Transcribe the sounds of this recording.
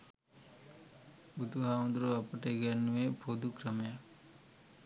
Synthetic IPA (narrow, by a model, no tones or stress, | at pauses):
bud̪uɦaːũnd̪ɾoɐpɐʈeɡɐnːuʋepʰod̪ukɾɐmɐja